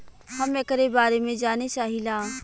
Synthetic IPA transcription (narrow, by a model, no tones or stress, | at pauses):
hɐmekɾebaːɾemẽd͡ʒaːnet͡ʃaːɦilaː